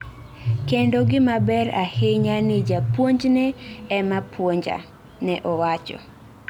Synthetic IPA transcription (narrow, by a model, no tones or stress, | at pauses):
kendoɡɪmabɛra̰heɲanɪd͡ʒapwoɲd͡ʒnɛːmapwoɲd͡ʒa̰ | nɛʔɔwat͡ʃɔ̰